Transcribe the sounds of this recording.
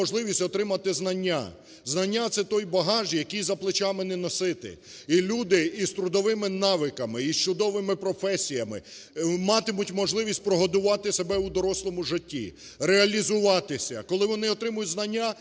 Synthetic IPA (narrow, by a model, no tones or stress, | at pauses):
ɔʒlˠɪʋʲisʲtʲɔt̪ɾɪmɐt̪ɪznɐnʲːa̰ | znɐnʲːat̪sɛt̪ɔjbɐɦɑʒjɐkʲijzɐplˠɪt͡ʃɑmɪnɛnɔsɪt̪ɪ̰ | ilʲud̪ɪist̪ɾʊd̪ɔʋɪmɪnɑʋɪkɐmɪist͡ʃʊd̪ɔʋɪmɪpɾɔfɛsʲijɐmɪ̰ | mɑt̪ɪmʊtʲmɔʒlˠɪʋʲisʲtʲpɾɔɦɔd̪ʊʋɑt̪ɪsebɛud̪ɔɾɔslˠɔmʊʒɪtʲːḭ | ɾeɐlʲizʊʋɑt̪ɪsʲɐ̰kɔlˠɪʋɔnɪɔt̪ɾɪmɐjʊtʲznɐnʲːa